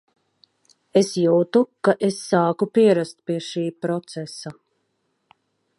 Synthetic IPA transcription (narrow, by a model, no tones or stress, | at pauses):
esjuːt̪ukaʔesːaːkupiɛɾast̪̚piɛʃiːpɾɔt̪sesa